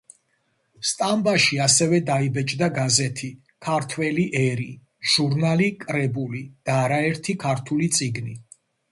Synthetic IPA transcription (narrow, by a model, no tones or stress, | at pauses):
st̪ʼambaʃiasɛvɛd̪aibɛt͡ʃʼd̪aɡazɛt̪ʰi | kʰaɾt̪ʰwɛliʔɛɾi | ʒ̥uɾnalikʼɾɛbulid̪̥aːɾaɛɾt̪ʰikʰaɾt̪ʰulit̪sʼiɡni